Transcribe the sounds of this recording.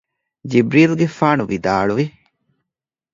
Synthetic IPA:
d͡ʒibɾiːlɡefaːnuʋid̪a̰ːɭuʋi

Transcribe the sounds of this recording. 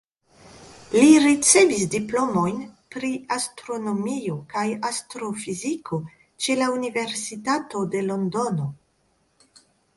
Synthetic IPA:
liɾit͡se̞visdiplo̞mo̞jnpɾiastɾo̞no̞miokajastɾo̞fizikʰo̞ | t͡ʃe̞launive̞ɾsitato̞de̞lo̞ndo̞no̞

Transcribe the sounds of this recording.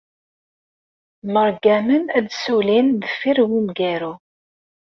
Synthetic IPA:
məɾɡæmənæd̪sulinðəfiɾwimɡæɾu

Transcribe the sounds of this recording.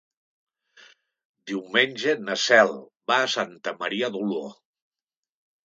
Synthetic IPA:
d̪iwmenʲʒenəsɛlˠ | baːsant̪əməɾiəðulo

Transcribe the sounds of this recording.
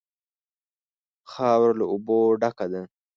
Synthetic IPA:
xɑːwɾlauboɖakad̪a

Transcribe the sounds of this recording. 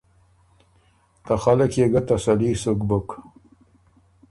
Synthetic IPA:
t̪axalakjeɡat̪asalisukbʊk

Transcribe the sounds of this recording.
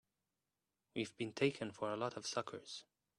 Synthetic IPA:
wivbɨ̃ntʰeɪkʰɨ̃nfə˞əlɔɾʌv̥sʌkʰə̰˞z̥

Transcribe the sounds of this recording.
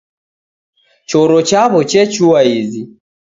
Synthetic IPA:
t͡ʃɔɾɔt͡ʃaβɔt͡ʃɛt͡ʃuaizi

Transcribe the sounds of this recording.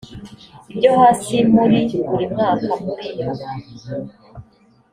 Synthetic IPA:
ibɟohasimuɾibuɾimŋaːkamuɾijo

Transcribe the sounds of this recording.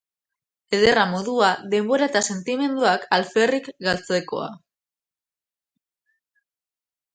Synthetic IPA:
eðe̞ramo̞ðuaðe̞mbo̞ɾaet̪ase̞nt̪ime̞nd̪uakalferikɡalt͡se̞ko̞̰a̰

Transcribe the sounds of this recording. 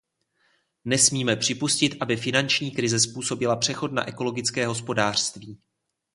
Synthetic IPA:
nɛsmiːmɛpr̝̥ɪpuscɪt̪ʔabɪfɪnant͡ʃɲiːkɾɪzɛspuːso̞bɪlapr̝̥ɛxo̞t̪̚na̰ʔɛko̞lo̞ɡɪt͡skɛːɦo̞spo̞daːr̝̥st̪viː

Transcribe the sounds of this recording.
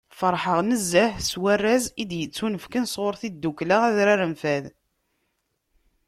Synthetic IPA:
fəɾˤħəʁnəzːæħswærːæzid̪jət͡sːunəfkənsʁoɾθid̪ːuklaʁæðɾæɾəmfæð

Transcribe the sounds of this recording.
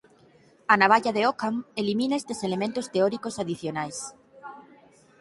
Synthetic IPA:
anaβ̞aʎaðeokaŋelimĩnaest̪eselemẽnt̪ost̪eɔɾikosaðiθjonajs

